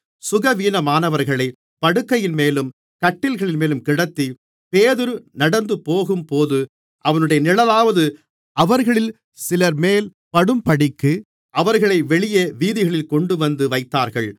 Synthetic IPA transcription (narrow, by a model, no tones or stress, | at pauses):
sʊɣɐʋiːnɐmaːnɐʋɐɾɣɐɭɐɪ | pɐɽɯkːɐjɪnmeːlɯm | kɐʈːɪlɣɐɭɪnmeːlɯmkɪɽɐt̪ːi | peːðɯɾɯnɐɽɐnd̪ɯpoːɣɯmpoːðɯ | ʔɐʋɐnɯɽɐjɐnɪlɐlaːʋɐðɯ | ʔɐʋɐɾɣɐɭɪl | sɪlɐɾmeːl | pɐɽɯmpɐɽɪkːɯ | ʔɐʋɐɾɣɐɭɐɪʋɛɭɪjeːʋiːðɪɣɐɭɪlkɔɳɖɯʋɐnd̪ɯʋɐɪt̪ːaːɾɣɐɭ